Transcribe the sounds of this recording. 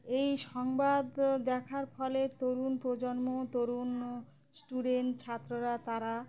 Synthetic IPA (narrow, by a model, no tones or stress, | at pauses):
ejʃɔŋbad̪ːɛkʰaɾfɔlet̪oɾunpɾod͡ʑonmot̪oɾun | sʈuɖenʈt͡ɕʰat̪ːɾoɾat̪aɾa